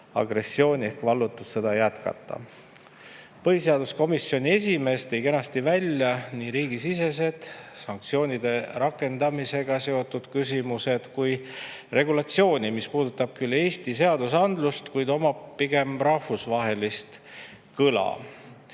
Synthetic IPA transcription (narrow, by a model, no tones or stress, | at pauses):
ɑ̰ɡ̥ɾe̞sːio̞ːnʲiehkvɑlːut̪ːˑusse̞d̪ɑjæt̪kɑ̰t̪ˑːɑ̰ | pɤɦise̞ɑd̪̥usko̞misːjo̞nie̞s̬ʲime̞ːst̪ejke̞nɑst̪ivælʲjɑniːɾiːɡisise̞s̬e̞d̪̥sɑŋk̚t̪sio̞ːnid̪̥e̞ɾɑkːˑe̞nd̪̥ɑmise̞ɡ̥ɑse̞o̞t̪ːˑud̪̥kys̬ʲimuse̞d̪̥kujre̞ɡulɑt̪sio̞ːnʲimispuːd̪ut̪ːˑɑb̥̚kylːe̞ːst̪ise̞ɑd̪usɑnd̪lust̪kujd̪o̞mɑpiɡ̥e̞mrɑhfusvɑɦe̞list̪ | kɯlɑ̰